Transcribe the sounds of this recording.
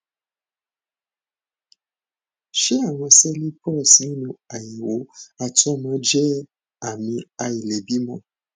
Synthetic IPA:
ʃe˦a˦˨w̃ɔ̃˧sɛ˦li˦pʰɔ˦˨si˨˦nũ˧a˨ji˨wo˨˦a˨tɔ˦mã˨˦d͡ʒɛ˦ | a˨mĩ˧a˨˧i˨lɛ˨bi˨˦mɔ̃˧˨

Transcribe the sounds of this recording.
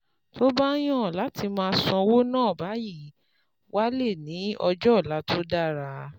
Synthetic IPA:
tʰo˦ba˦j̃ã˦˨la˨˦ti˧mãː˧sɔ̃˧wo˦nãː˦˨ba˨˦ji˦˨ | wa˦le˦˨nĩ˨˦ɔ˧d͡ʒɔ˦˨la˨˦to˦da˦˨ɾa˧

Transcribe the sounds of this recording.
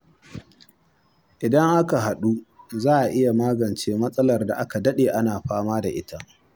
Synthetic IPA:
ʔɪ˨dɐ˦ŋʔa˦ka˨ɦa˨ɗu˦zaː˦˨ʔa˨ʔɪ˦ja˨maː˦ɡɐ˨nt͡ʃeː˦mɐ˦sʼɐ˦lɐ˨rda̰˨ʔa˦ka˨dɐ˦ɗeː˨ʔa˦naː˨ɸaː˦maː˦da̰˨ʔɪ˦ta˦ʔ

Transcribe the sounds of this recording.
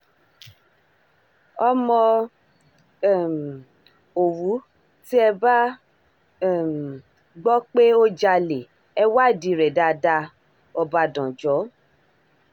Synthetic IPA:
ɔ˧mɔ̃˧˨ | o˨wu˨˦ | ti˦ɛ˧ba˦˨ | m˨ | ɡ͡bɔ˦k͡pe˦o˦d͡ʒa˧le˨ | ɛ˧wa˦˨di˨˧˨ɾɛ˨da˧da˧ | ɔ˧ba˧dɔ̃˨d͡ʒɔ˨˦

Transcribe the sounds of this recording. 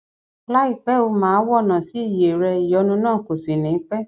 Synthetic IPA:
la˦i˦˨k͡pɛ˨˦o˧mãː˦wɔ˦˨nã˨si˦i˦˨je˨ɾɛ˧i˨jɔ˨˧˦nũ˧nãː˦˨ko˨sĩ˨nĩ˨˦k͡pɛ˦

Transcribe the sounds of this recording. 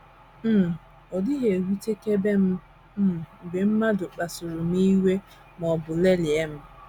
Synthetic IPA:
m̩˦˨ | ɔ˨dɪ˦ɦe˨ɾi˦te˦ke˦b̩˦˨ | be˨m̩˦ma˦dʊ˨k͡pa˨sʊ˨ɾʊ˨m˦i˦we˦ | mɔ˨bʊ˨le˦li˨e˦m̩˦

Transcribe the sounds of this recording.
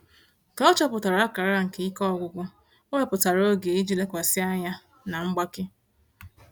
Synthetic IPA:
ka˨ɔ˦t͡ʃɔ˦pʊ˨ta˨ɾa˨˦ka˨ɾa˦ŋ̩˨ke˦i˦kɔ˦˨ɡʷʊ˨ɡʷʊ˦ | o˦we˦pʊ˨ta˨ɾo˦ɡe˨i˦d͡ʒi˦le˦kʷa˨sɪ˦a˦ɲa˦ | na˨ŋ͡m̩˦ɡ͡ba˦kɪ˦

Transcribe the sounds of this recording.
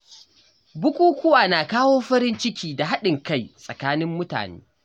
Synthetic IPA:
bʊ˦kʷʼuː˦kʷʊ˦waː˨naː˨kaː˦woː˦ɸɐ˦ɾɪ˦nt͡ʃɪ˦kʲiː˦da˨ɦa˦ɗɪ˨ŋka˦˨jsʼɐ˨kaː˦nɪ˦mːʊ˦ta̰ː˨nḛː˦

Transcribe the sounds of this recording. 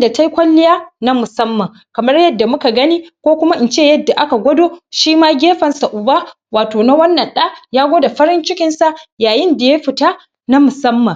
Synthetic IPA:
da˨ta˦jkʷɐ˦lːɪ˦jaː˦na˦mʊ˨sɐ˦mːɐ˨ŋ | kɐ˨mɐ˦rjɐ˦dːa˨mʊ˦ka˨ɡɐ˦niː˦kʷoː˦kʷʊ˦ma˦ʔɪ˨nt͡ʃeː˦˨jɐ˦dːa˨ʔa˦ka˨ɡʷɐ˦doː˦ʃiː˦maː˦ɡʲeː˦ɸɐ˨nsa˨ʔʊ˨baː˦ | waː˨toː˨na˦wɐ˦nːɐ˨nɗa˦jaː˦ɡʷoː˦da˨ɸɐ˦ɾɪ˦nt͡ʃɪ˦kʲɪ˦nsa˦˨jaː˨jɪ˦nda˨je˦ɸɪ˨taː˦ | na˦mʊ˨sɐ˦mːɐ˨

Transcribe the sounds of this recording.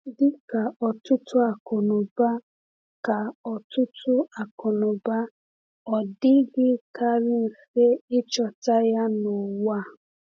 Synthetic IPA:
dɪ˦ka˨ɔ˨tʊ˦tʊ˦a˨kɔ˨nʊ˨ba˦ | ka˨ɔ˨tʊ˦tʰʊ˦a˨kɔ˨nʊ˨ba˦ | ɔ˨dɪ˦ɡɪ˦ka˦ɾɪ˦n̩˨se˦ɪ˦t͡ʃɔ˨ta˦ja˦nʊ˨wa˦˨

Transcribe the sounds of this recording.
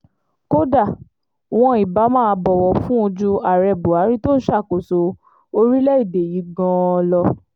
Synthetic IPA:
ko˦da˦˨ | w̃ɔ̃˧˦i˨ba˨˦mãː˦˨˧bɔ˨wɔ˧fũ˦o˧d͡ʒu˧a˨ɾɛ˧˨bu˨a˨˦ɾi˦to˦n̩˦ʃa˦˨ko˨so˨˦ | o˧ɾi˦lɛ˦i˦˨de˨ji˨˦ɡɔ̃˧lɔ˧

